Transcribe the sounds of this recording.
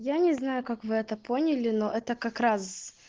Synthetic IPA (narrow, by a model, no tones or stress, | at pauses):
janʲɪznajʊkakvɨɛt̪əponʲɪlʲɪnoʔɛt̪əkɐkɾas